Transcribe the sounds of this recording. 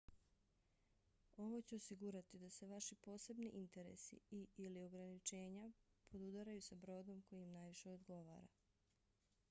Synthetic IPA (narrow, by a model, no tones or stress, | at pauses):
o̞ʋo̞t͡ɕeosiɡuɾat̪id̪ase̞ʋaʃipo̞ːse̞bniʔint̪e̞ɾe̞̰sḭiilio̞ɡɾanit͡ʃe̞ːɲapʰod̪ud̪aɾajusabɾo̞ːd̪o̞mko̞jimnaːjʋiʃe̞od̪ɡo̞ʋa̰ːɾa̰